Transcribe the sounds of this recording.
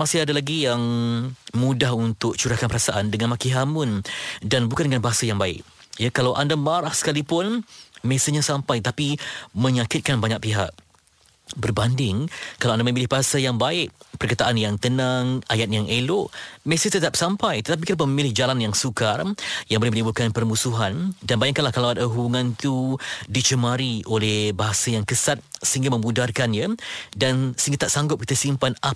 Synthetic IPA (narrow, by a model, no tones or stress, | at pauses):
masɪadalaɡijaŋ | mũdahunt̪ʊk̚t͡ʃuɾahkanpəɾasaʔandəŋanmakiɦamʊndanbukandəŋanbaɦasajaŋbaɪ̰ʔ̚ | jakalawʔandamaɾahsə̥kalipʊnmesəɲasampajt̪ət̪apimə̃ɲakɪt̪̚kanbaɲak̚piɦa̰ʔ̚ | bərbandɪŋkalawandamə̃milɪhbaɦasajaŋbaɪʔpərkət̪aʔanjaŋt̪ənãŋajat̪̚jaŋʔeloʔməsɪht̪ət̪ap̚sampajt̪ət̪ap̬ikit̪apməməmilɪhd͡ʒalanjaŋsukarjaŋbolɛhmənəbukanpərmusuɦandanbajaŋkanlahkalawadaɦubuŋãnt̪udit͡ʃəmaɾiolɛhbaɦasajaŋkəsat̪̚səɦiŋɡamə̃mũdarkanjədansəiŋɡat̪aʔsaŋɡʊp̚kit̪asimpana